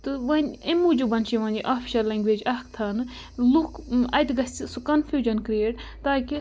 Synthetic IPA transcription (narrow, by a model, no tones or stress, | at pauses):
t̪ɨʋɐnʲemːuːd͡ʒubɐnʃiʋɐ̃ːnʲd͡ʒiʔaːfʰi̥ʃɐɾlẽːŋɡʋeːd͡ʒɐhkt̪ʰɐnɨ | lukɐjt̪ɡɐsʲt͡sisukɐnfʰjuːd͡ʒɐnkɾieːʈt̪aːki